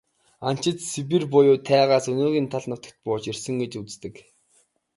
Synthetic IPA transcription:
an̥t͡ɕɪ̆t̪sip̬irpʊjʊːt̪ʰæːʁaːsɵnoːɣʲiːnt̪ʰaɮnə̆w̥t̪ə̥̆kt̪̚pʊːt͡ɕirsɘ̆ŋɡet͡ɕut͡st̪ɘ̆k

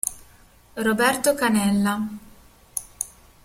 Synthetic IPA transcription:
robɛrt̪okanɛlːa

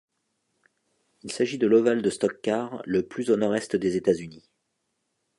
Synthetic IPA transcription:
ilsaʒid̪əlɔvald̪əst̪ɔkːaʁləplyzonɔʁɛst̪d̪ezet̪azyni

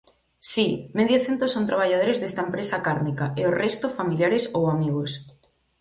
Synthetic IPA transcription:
simeðjoθent̪osont̪ɾaβ̞aʎað̞oɾezðest̪aempɾesakaɾmikaeorest̪ofamiljaɾesowamiɣ̞os

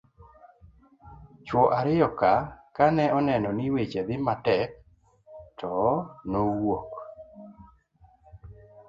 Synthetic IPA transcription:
t͡ʃwɔʔaɾɪjɔkakanɛʔɔnɛnɔnɪwet͡ʃed̪ɪmatɛk̚ | tʰɔnowok

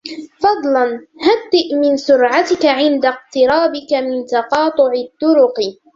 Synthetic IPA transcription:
fɑd̪ˤlɑnhad̪ːɪʔmɪnsʊɾʕat̪ɪkaʕɪnd̪aq̚t̪ɪɾɑːbɪkamɪnt̪ɑqɑːt̪ˤʊʕɪt̪ːʊɾʊq

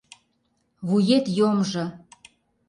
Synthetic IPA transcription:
βujet̪jomʒɤ̆

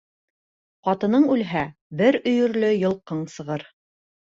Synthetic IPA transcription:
qɑt̪ɤ̆nɤɴʉlɦæbɘɾɵ̆jɵ̆ɾlɵjɤ̆lˠqɤɴsɤ̆ʁɤɾ

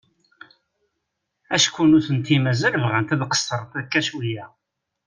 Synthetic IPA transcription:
æʃkʷːunuθənt̪ːimæzæləvʁənt̪æðqə̥sːəɾˤt̪æðkːæʃwijæ

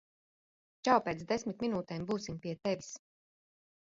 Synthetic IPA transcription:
t͡ʃawpɛːt̪sd̪esmʲit̪ʲminuːt̪ɛːmbuːsimpiɛt̪evʲis

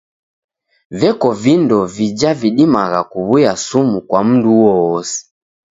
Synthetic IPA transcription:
vɛkɔvindɔvid͡ʒaviɗimaɣakuβujasumukwam̩nduwɔːsiɛ̥

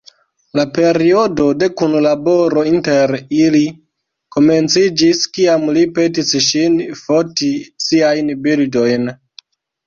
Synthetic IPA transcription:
lape̞ɾio̞do̞de̞kunlabo̞ɾo̞inteɾili | ko̞me̞nt͡sid͡ʒiskiamlipe̞tisʃinfotisiajnbildo̞jn

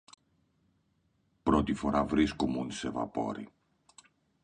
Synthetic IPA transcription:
pɾɔt̪ifoɾavɾiskumunseva̰pɔ̰ɾḭ

